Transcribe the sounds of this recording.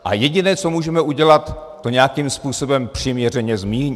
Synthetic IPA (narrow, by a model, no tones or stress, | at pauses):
ʔa̰jɛɟɪnɛːt͡so̞muːʒɛmɛʔuɟɛlat̪ː | o̞ɲɛjakimspuːso̞bɛmpr̝̥imɲɛr̝ɛɲɛzmiːɲi